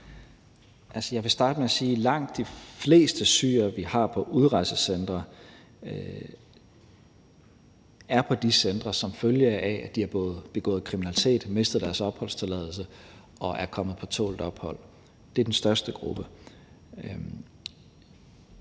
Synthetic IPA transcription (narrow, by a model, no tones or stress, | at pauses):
ʔælsəjɑ̈ɪʋe̝sd̥ɑ̈ːd̥əmeæsiːlɑ̈ŋ̰d̥ːifle̝̰ːsd̥əsy̰ːɐʋihɑ̈pʰɒ̽ʔuð̞ˠʁɑ̈ɪsəsend̥ʁɐ | æɐpʰɒ̽d̥isend̥ʁɐsɒ̽mføljəʔææd̥iɑb̥ɔ̽ːð̞̩ˠb̥e̝ɡ̥ɔ̰̽ːð̩ˠkʰʁiminælit͡sʰe̝̰ːd̥me̝sd̥ð̩ˠd̥æɐsɒ̽b̥hɒ̽l̰st͡sʰe̝lɛ̰ːðˠl̩sə | ɒ̽ʔæɐkʰɒ̽məð̩ˠpʰɒ̽t͡sʰɔ̰ːld̥ɒ̽b̥hɒ̽l̰ | d̥e̝æɐd̥ensd̥ɶɐsd̥əɡ̥ʁub̥ə